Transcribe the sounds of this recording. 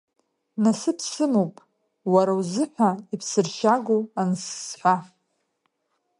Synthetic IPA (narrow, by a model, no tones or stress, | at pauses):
nasɨpʰsɨmopʼ | waɾawzɨħʷaipʰsɨrʃaɡʷoansːħʷa